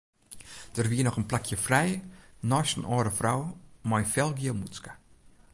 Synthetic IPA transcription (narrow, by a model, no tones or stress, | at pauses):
d̥ərʋiənɔχənplakʰjəfrɛjnɔːʃənɔːɾəfrawmajfɛlˠɡiəmutskḁ